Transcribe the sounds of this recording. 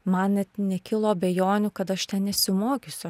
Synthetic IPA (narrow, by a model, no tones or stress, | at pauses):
mɐnnʲɛt̪nʲɛkʲɪlˠoːbʲeːjoːnʲukɐt̪ɐʃt̪ʲɛnnʲɛsʲɪmoːkʲʊsʲʊɐ